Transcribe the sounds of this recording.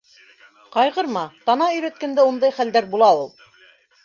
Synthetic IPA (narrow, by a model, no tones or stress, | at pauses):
qɑjʁɤɾmɑt̪ɑnɑɵ̆jɾæt̪̚kænd̪æund̪ɑjχæld̪æɾbulˠɑulˠ